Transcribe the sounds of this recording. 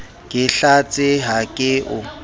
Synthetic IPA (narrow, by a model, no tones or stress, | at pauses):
kʼɪɬat͡sʼɪɦakʼɪʔʊ